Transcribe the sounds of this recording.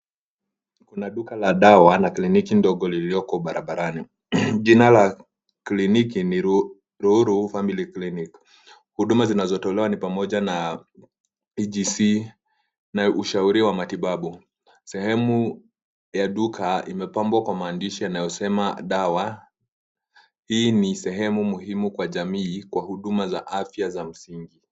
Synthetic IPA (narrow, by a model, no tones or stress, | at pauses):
kunaɗukalaɗawanaklinikindɔɠɔliliɔkɔɓaɾʔaɓaɾani | ʄinala | klinikiniɾ | ɾuuɾufamiliklinik | huɗumazinazɔtɔlɛwanipamɔʄana | id͡ʒisi | naʔuʃauɾiwamatiɓaɓu | sɛhɛmu | jaɗukʰaimɛpambwakwamaːndiʃianajɔsɛmaɗawa | hiːnisɛɦɛmumuɦimukwaʄamiːkwahuɗumazaʔafjazam̩siŋɡi